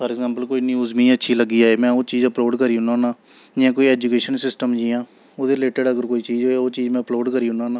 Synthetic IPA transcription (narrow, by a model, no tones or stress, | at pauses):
pʰəɾɪɡzãːmpəlkoːiːniuːzmĩːətːʃʰiːləɡːiːaːeːmɛ̃ːoːt͡ʃiːd͡ʒəploːɖkəɾiːʊnãːnãː | d͡ʒɪjãːkoːiːɛːd͡ʒukeːʃənsɪsʈəmd͡ʒiːãː | oːd̪eːleːʈəɖəɡəɾkoːiːt͡ʃiːd͡ʒɦoeoːt͡ʃiːd͡ʒmɛ̃ːəploːɖkəɾiːʊnãːnãː